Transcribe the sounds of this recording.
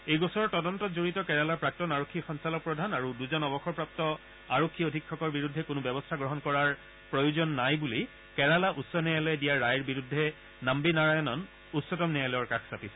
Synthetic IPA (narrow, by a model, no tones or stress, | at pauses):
ejɡɔsɔɹɔtɔdɔntɔtzoɹitɔkɛɹalaɹpɹak̚tɔnaɹokʰːixɔnsalɔk̚pɹɔdʱanaɹuduzɔnɔbɔxɔɹpɹap̚tɔ | aɹokʰːiodʱikʰːɔkɔɹbiɹudʱːɛkʊnʊbɛbɔstʰaɡɹɔɦɔnkɔɹaɹ | pɹɔjuzɔnːajbuli | kɛɹalaʔutsɔnɛjalɔjɛdijaɹːajɹbiɹudʱːɛ | nambinaɹajɔnɔn | utsɔtɔmnɛjalɔjɔɹkaksapisɛ̥